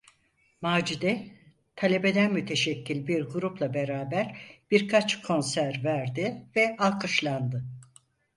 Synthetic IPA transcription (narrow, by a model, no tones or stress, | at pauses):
maːd͡ʒid̪ɛ | t̪ʰalʲe̞be̞d̪ænmyt̪ʰe̞ʃɛcʰːilʲbiɾɡuɾuplˠabe̞ɾaːbæɾb̥iɾkʰat͡ʃkʰo̞nsæɾvæɾd̪ɪvɛalˠkʰɯʃlˠand̪ɯ